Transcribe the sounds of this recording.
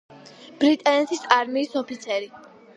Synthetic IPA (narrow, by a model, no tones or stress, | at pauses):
b̥ɾit̪ʼɛnɛt̪ʰisaɾmiːsɔpʰit̪sʰɛɾi